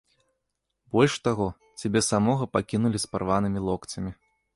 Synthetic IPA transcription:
bɔlʲʂt̪aɣɔ | t͡sʲabʲɛsamɔɣɐpakʲinulʲispaɾvanɨmʲilˠɔkt͡s̪ʲɐmʲi

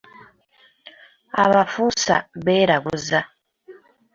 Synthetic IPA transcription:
a̰βafusa̰βeɾaɡuza

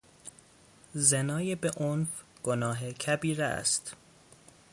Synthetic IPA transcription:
zenɒːjebeʔonfɡ̥onɒːɦecʰæbiːɾæ̰st̪

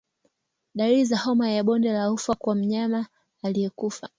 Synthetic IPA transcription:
ɗaizahɔmajaɓɔndɛlaufakwam̩ɲamaː | lijɛkufa

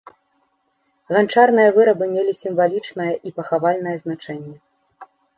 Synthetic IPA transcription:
ɣant͡ʂarn̪ɨjɐvɨɾɐbɨmʲelʲisʲimvalʲit͡ʂnɐjɐʔipɐxavalʲnɐjɐznat͡ʂɛnʲːɛ

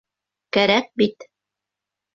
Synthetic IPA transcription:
kæɾæk̚bit̪

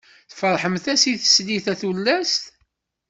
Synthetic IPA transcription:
θəfəɾˤħəmθæsiθə̥sliθæθulːæst̪

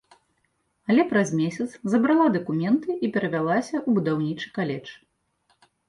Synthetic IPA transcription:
ɐlʲɛpɾɐzmʲesʲɐt̪szɐbɾalˠad̪ɐkumʲɛnt̪ɨʔipʲɛɾɐvʲalˠasʲɐʔubud̪awnʲit͡ʂɨkalʲɛt͡ʂ

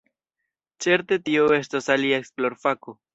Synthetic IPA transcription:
t͡ʃeɾt̪et̪ioest̪osaliaeksploɾfako

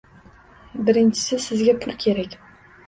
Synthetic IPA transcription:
bɪɾɪnt͡ʃʰɪ̥sɪsɪzɡʲapʰʊlkʲʰe̞ɾækʲ

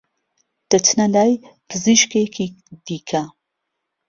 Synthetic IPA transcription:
d̪̥ɐt͡ʃnɐlaːjpʰɨziʃkekʰid̪̥iːkʰɐ

